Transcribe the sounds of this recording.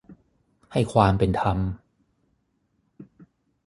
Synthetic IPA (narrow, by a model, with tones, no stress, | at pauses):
ha˥˩jkʰwaː˧mpe˧nt̪ʰa˧m